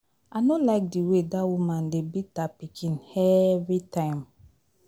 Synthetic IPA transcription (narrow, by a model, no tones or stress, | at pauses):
anolaɪk̚diwedawumãndebitapikʰĩnɛvitʰãɪ̃m